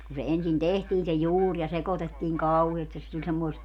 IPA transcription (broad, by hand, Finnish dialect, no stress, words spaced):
ku se ensin tehtiːn se juːr jɑ sekotetːiːŋ kɑuheːst et se tulʲ semːoest